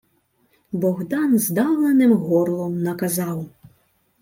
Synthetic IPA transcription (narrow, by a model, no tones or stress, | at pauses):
bɔɣd̪ɑnzd̪ɑlˠenɪmɦɔɾlˠɔmnɐkɐzɑw